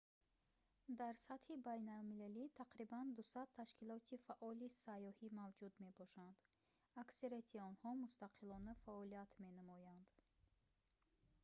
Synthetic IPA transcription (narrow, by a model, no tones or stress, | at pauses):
d̪aɾsat̪hibajnalmilalit̪ʰaqɾiband̪usad̪̚t̪ʰaʃkilɔt̪ʰifaʔɔlisajɔhimavd͡ʒud̪me̞bɔʃand̪̥ | akseɾet̪ʰiɔnhɔmust̪aqʰilɔnəfaɔliat̪ʰme̞nəmɔjand̪̥